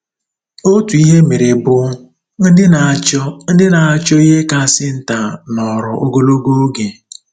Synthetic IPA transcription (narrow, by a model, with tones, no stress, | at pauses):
o˦tu˨i˦ɦe˦me˨ɾe˨bʊ˨ | n̩˦dɪ˦na˨t͡ʃɔ˦n̩˦dɪ˦na˨a˨t͡ʃɔ˦i˦ɦe˦ka˦˨sɪ˦n̩˨ta˨nɔ˨ɾʊ˨ʔo˦ɡo˦lo˦ɡo˦o˦ɡe˨